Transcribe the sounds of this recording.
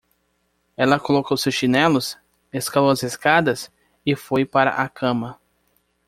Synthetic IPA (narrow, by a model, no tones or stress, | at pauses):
ɛlɐkolokowsewsʃinɛlʊs | eskalowɐzeskad̪ɐs | ɪfojpaɾɐ̰ʔakʰɐ̃mɐ